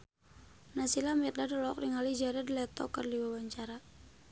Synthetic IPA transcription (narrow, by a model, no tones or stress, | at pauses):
nasilamɛt̪̚dadɔlɔkriŋalid͡ʒaɾɛdlɛt̪ɔ̰kərdiwawaɲt͡ʃaɾa